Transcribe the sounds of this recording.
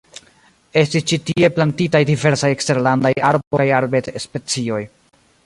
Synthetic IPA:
e̞stist͡ʃitie̞plantitajdive̞ɾsajekste̞ɾlandajaɾbojaɾbetspe̞t͡sio̞j

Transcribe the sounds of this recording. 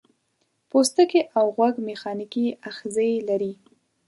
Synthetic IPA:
post̪əkeʔawɣwaɡmexɑnikiaxzəjlaɾi

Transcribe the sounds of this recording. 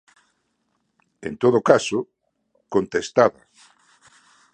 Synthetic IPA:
ḛnt̪oðokaso | kont̪est̪aðɐ

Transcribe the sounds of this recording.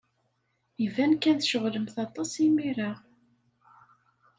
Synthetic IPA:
ivænkːænθʃəʁləmθɑt̪ˤːɑsimiɾa

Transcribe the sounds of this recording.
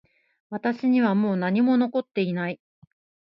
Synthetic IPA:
βat̪aɕiɲ̟iβamo̞ːnaɲ̟imo̞no̞ko̞t̪ːe̞inai

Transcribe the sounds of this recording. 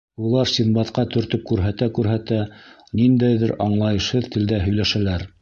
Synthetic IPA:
ulˠɑɾsʲinbɑt̪qɑt̪ɵ̆ɾt̪ɵp̚kʉɾɦæt̪ækʉɾɦæt̪æ | nind̪æjðɘɾɑɴlˠɑjɤ̆ʃhɤðt̪ɘ̆ld̪æɦɵ̆jlæʃælæɾ

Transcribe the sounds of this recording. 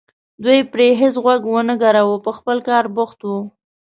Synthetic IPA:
d̪wujpɾeɦɪs̬ɣwaɡwənəɡaɾawəpəxpəlkɑɾbʊxt̪wu

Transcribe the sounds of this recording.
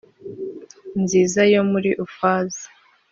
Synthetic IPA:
nziːzajo̞muɾiʔufaːzḁ

